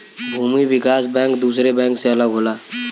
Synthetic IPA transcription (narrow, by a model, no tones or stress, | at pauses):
bʱuːmiʋɪkaːs̬bɛ̃ːŋkd̪uːsɾebɛ̃ːŋkseɐləɡɦoːlaː